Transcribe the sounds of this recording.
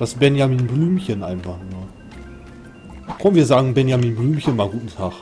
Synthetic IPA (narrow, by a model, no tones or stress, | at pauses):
d̥asbɛnjamiːnblyːmçənʔa̰ɪnfaχa | kʰɔmənviːɐzaːɡŋ̩bɛnjamiːnblyːmçənmaːɡuːtn̩tʰaːχ